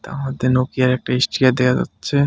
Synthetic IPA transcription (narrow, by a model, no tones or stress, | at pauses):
t̪a̰mad̪enokijaɾɛk̚ʈaisʈiad̪ead͡ʑa̰tːɕʰe